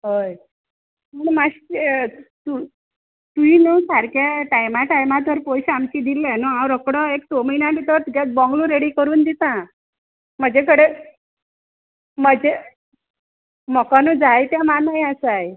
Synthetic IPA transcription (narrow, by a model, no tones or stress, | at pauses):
ɦoj | məɳmaɕ | t̪u | t̪uinuːsaɾkeʈajmaʈajmat̪̬ʋəɾpojɕamt͡ɕid̪ilːanuãwɾəkɽɔekt̪oməinãbit̪əɾt̪uɡat͡sbɔŋɡlũɾeɽikəɾuːnd̪it̪ã | m̤əd͡ʑekəɽe | məd͡ʑe | mɔkanuːd͡zajt̪jãmanajasaj